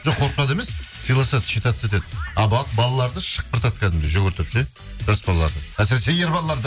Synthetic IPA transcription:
ʒoqʰo̞ɾq̪ɑd̪e̞messijlˠɑsɑt̪ʃet̪ɑt̪set̪̬ed̪ɑbɑt̪bɑlˠɑlˠɑɾd̪əʃə̥q̚pəɾt̪ɑt̪kʲʰæd̪ɪmd̪eʒoɡʲeɾt̪ʰɪpʒe | ʒ̥asbɑlˠɑlˠɑɾd̪əæsɾesejeɾbɑlˠɑlˠɑɾd̪ə

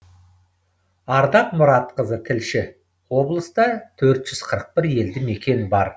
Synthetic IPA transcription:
ɑɾd̪ɑqmʊɾɑt̪qəzət̪ʰɪlʃɪ | wo̞blˠəst̪ɑt̪ʰɵɾt̪ʒ̥ʏz̥qʰəɾəq̚pɪɾje̞ld̪ɪme̞kʲe̞nɪbɑɾ

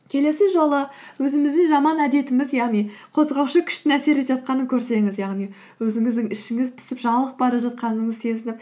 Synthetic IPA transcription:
kʲʰe̞le̞sɪʒo̞lˠəwɵzɪmɪzd̪ɪŋʒɑmɑnæd̪e̞t̪ɪmɪzjɑʁnijqʰo̞zʁɑwʃəkʲʰʏ̥ʃt̪ɪnæse̞ɾet̪ʒɑt̪̚qɑnəkʲʰɵɾse̞ŋɪzjɑʁnij | wɵzɪŋɪzd̪ɪŋɪʃɪŋɪzpʰɪ̥sɪpʒɑlˠəq̚bɑɾɑʒɑt̪̚qɑnəɴəzse̞zɪnɪp̚

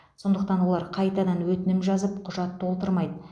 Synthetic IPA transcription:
so̞nd̪əq̚t̪ɑnwo̞lˠɑɾqʰɑjt̪ɑd̪ɑnwɵt̪ɪnɪmʒɑzəpqʰʊʒɑt̪ʰːolˠt̪əɾmɑjd̪ə

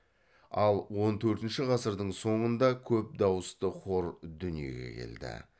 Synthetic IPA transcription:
ɑlˠwo̞nt̪ʰɵɾt̪ɪnʃɪʁɑsəɾd̪əɴso̞ɴənd̪ɑkʲʰɵp̚d̪ɑwəst̪əqʰo̞ɾd̪ʏnije̞̰ɡʲe̞̰kʲʰe̞̰ld̪ɪ̰

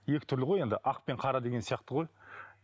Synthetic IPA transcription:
je̞kʲɪ̥t̪ʰʏɾlɪʁoje̞nd̪ɪʔɑq̚pe̞ɴqʰɑɾɑd̪e̞ɡʲensijɑqt̪əʁo̞j

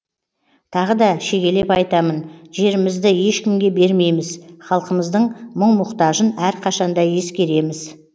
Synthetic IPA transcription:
t̪ʰɑʁəd̪ɑʃe̞ɡʲe̞le̞pɑjt̪ɑmənʒe̞ɾɪmɪzd̪ɪje̞ʃkʲɪmɡʲe̞be̞ɾme̞jmɪzχɑlˠqəməzd̪əɴməɴmʊqt̪ɑʒənæɾqʰɑʃɑnd̪ɑje̞skʲe̞ɾe̞mɪz

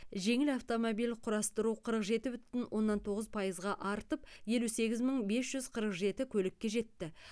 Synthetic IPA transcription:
ʒe̞ŋɪlɑft̪o̞mobijlqʰʊɾɑst̪əɾuqʰəɾəqʒe̞t̪ɪbʏt̪ːɪnwʔo̞nːɑnt̪ʰo̞ʁəzpʰɑjəzʁɑʔɑɾt̪əp̚je̞luse̞ɡʲɪzməɴbe̞sʒ̥ʏzqʰəɾəqʒe̞t̪ɪkʲʰɵlɪkʲːe̞ʒe̞t̪ːɪ

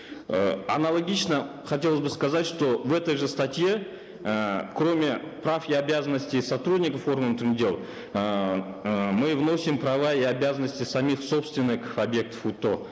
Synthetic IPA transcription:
əɐ̰nɐlˠɐɡʲit͡ʃnə | χɐtʲe̞lˠəzbɨskɐzatʲʂt̪o̞vɛt̪əjʐɨst̪ɐtʲje̞ | kro̞mʲɪprafiabʲazənːəsʲtʲɪjsɐt̪ɾudʲnʲɪkəfo̞rɡənt̪ndʲelˠ | mɨvno̞sʲɪmpɾɐvaiabʲazənːəsʲtʲɪsɐmʲiχso̞pst̪vʲɪnːɨkɐbʲje̞k̚t̪ə̥fut̪ːo̞

